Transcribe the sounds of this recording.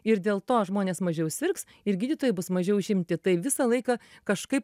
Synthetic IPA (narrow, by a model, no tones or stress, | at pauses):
ɪɾd̪ʲeːlˠt̪oːʒmoːnʲeːsmɐʒʲɛʊsʲʋʲɪrks | ɪɾɡʲiːd̪ʲit̪oːjɪbʊsmɐʒʲɛʊʃʲɪmʲt̪ʲɪt̪ɐɪʋʲɪsɐlˠɐɪkɐkɐʃkɐɪp